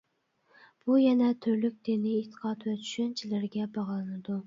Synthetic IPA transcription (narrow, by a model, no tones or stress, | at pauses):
b̥ujɛnɛt̪ʰøɾlyk̚ʲd̪̥ɪnɪet̪ʰːɨ̥qʰɑt̪vɛt͡ʃʰy̥ʃɛnt͡ʃʰilɪɾɡʲɛbɑʁlˠɨnɨd̪u